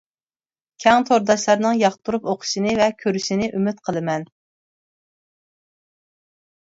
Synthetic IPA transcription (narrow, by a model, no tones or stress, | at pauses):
kʲʰɛŋt̪ʰoɾd̪ɑʃlˠɑɾnɨŋjɑχt̪ʰuɾupoqʰʊ̥ʃinɨvɛkʲʰøɾyʃinɪʔymɪt̪qʰəlˠɨmɛn